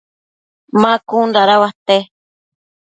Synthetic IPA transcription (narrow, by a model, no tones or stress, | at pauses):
mãkunɾaɾawaht̪e